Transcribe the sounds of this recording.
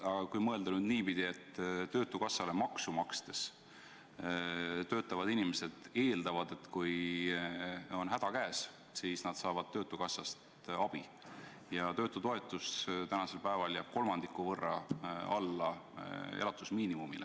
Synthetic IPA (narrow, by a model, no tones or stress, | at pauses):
ɑɡ̥ɑkujmɤ̞eld̪ɑnyːd̪niːpid̪̥ie̞t̪ːt̪ːø̞ːt̪ːˑukɑsːɑle̞mɑksumɑkst̪e̞s | t̪ø̞ːt̪ːˑɑvɑd̪inimese̞d̪̥e̞ːld̪ɑvɑd̪̥e̞t̪kuj | o̞nɦæd̪̥ɑkæːs | siːsnɑd̪̥sɑːvɑd̪̥̚t̪ø̞ːt̪ːˑukɑsːɑst̪ | ɑb̥i | jɑt̪ø̞ːt̪ːˑut̪o̞e̞t̪ːˑust̪ænɑse̞lpæe̞vɑljæːb̥̚ko̞lmɑnd̪ikːuvɤrɑɑlːɑelɑt̪ːˑusmiːnimumḭle